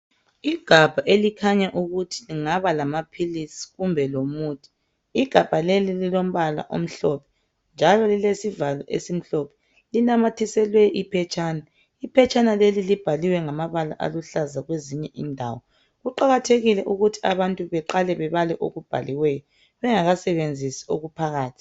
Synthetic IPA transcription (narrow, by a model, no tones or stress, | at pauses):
iɡ̥ʱab̥ʱaʔelikʰaɲaʔuɣutʰi̥liŋaβalamapʰilisi̥ɣumbʱɛlomuːtʰʼi̥ | iɡ̥ʱab̥ʱalelililom̩βala̰ʔo̰m̩ɬɔpʰɛ̥ | nd͡ʒʱalɔlilesivalɔ̰ʔḛsim̩ɬɔpʰɛ̥ | linamatʰisɛlwɛʔipʰɛt͡ʃʼaːna | ipʰɛt͡ʃʰʼanalelilib̥ʱaliwɛŋamaβala̰ʔa̰luɬazaɣweziɲɛʔindʱa̰wɔ | ɣuǃaɣatʰeɣilɛʔuɣutʰi̥aβantʼuβɛǃalɛβɛβalɛʔoɣub̥ʱa̰liwɛjɔ | βɛŋaɣasɛβend͡zʱisi̥oɣupʰaɣaːtʰi̥